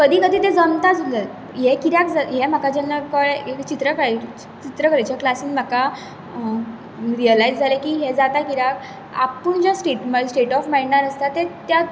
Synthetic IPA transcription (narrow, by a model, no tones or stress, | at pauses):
kəd̪ʱiːkəd̪ʱiːt̪ed͡zəmt̪ad͡zʱulə | ɦekiɾjakd͡zaɦem̤akad͡ʑɛnːəkəɭeekt͡ɕit̪ɾəkə | t͡ɕit̪ɾəkəɾajt͡ɕjaklasĩːnm̤aka | ɾijəlajd͡zd͡zʱalekiːɦed͡zat̪akiɾak | a̰pəɳd͡ʑasʈeʈməsʈeʈɔfmajɳaɾəst̪at̪ːet̪ja